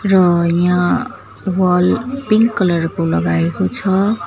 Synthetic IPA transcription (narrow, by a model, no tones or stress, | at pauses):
rʌjã | wʌlpiŋkːʌlʌrkolʌɡaekot͡sʰʌ